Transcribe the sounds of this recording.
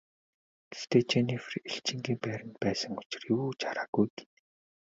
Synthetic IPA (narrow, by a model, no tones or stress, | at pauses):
te̥st̪ʰeːt͡ɕenefreɬt͡ɕɪ̆ŋɡiːmpæːɾə̆nt̪̚pæːsə̆ŋʊ̥t͡ɕɪ̥̆rjuːt͡ɕʰaɾaːɡujɡi